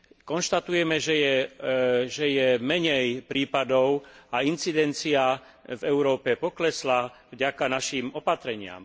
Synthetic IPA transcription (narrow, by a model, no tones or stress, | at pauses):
kɔnʃt̪at̪ujɛmɛʒɛjɛ | ʒɛjɛmɛɲɛjpɾiːpad̪ɔʊaint͡sid̪ɛnt͡sia | vɛʊɾɔːpɛpɔklɛslavɟakanaʃiːmɔpat̪ɾɛɲɪa̰m